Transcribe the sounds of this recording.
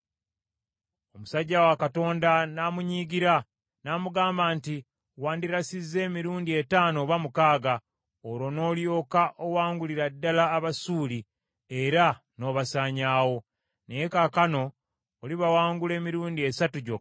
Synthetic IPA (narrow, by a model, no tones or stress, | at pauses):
o̞musaɟːawakato̞ːndanamuɲiːɡiɾa | naːmuɡaːmbaːnti | waːndiɾasizːe̞ːmiɾuːndie̞taːno̞βamukaːɡa | oɾo̞no̞ːljo̞ːkaʔowaːŋɡuliɾadːalaːβasuːli | e̞ɾa | no̞βasaːɲaːwo̞ | nejekakano̞ː | liβawaːŋɡule̞ːmiɾuːndie̞satuɟo